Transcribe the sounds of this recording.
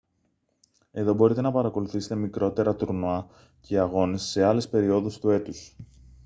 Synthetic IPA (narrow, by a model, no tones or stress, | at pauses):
e̞ðo̞bo̞ɾit̪e̞nɐpɐɾɐko̞luθiset̪e̞mikɾo̞t̪e̞ɾɐt̪uɾnoɐ | cʰeɐɣo̞nesːe̞ɐle̞spe̞ɾio̞ðust̪ue̞t̪us